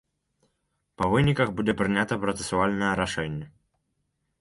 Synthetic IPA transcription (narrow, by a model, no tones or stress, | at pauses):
pɐvɨnʲikɐxbudʲɛpɾɨnʲat̪ɐpɾɔt̪sɨ̥sʊalʲnɐjɛɾaʂɛnʲːɛ